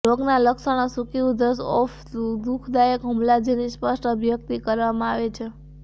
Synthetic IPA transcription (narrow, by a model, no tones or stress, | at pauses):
ɾoɡnaləksəɽ̃asukiũd̪əsɔf | ud̪ukʰd̪ajəkɦəmlad͡ʒenispəsʈʰəbʱjək̚t̪ikəɾʋamãaʋet͡ʃʰe